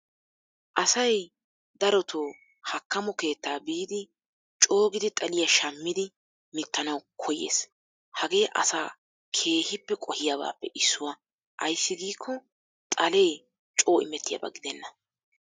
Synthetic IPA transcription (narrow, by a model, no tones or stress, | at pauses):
ʔɐsɐj | d̪ɐɾɔt̪ʰoː | hɐkːɐmɔke̞ːt̪ːaːbiːd̪ɪ | t͡ʃʼo̞ːɡɪd̪ɪt̪ʼɐlɪjɐʃɐmːɪd̪ɪ | mɪt̪ːɐnɐwkʰɔjḛːs | hɐɡe̞ːʔɐ̰saː | kʰe̞ːhɪpːɛkʼɔhɪjaba̰ːpːɛʔɪsːʊwɐ | ʔɐjsːɪɡiːkʰːɔ | t̪ʼɐle̞ː | t͡ʃʼo̞ːʔɪmɛt̪ːɪjɐ̰bɐ̰ɡɪd̪ɛnːɐ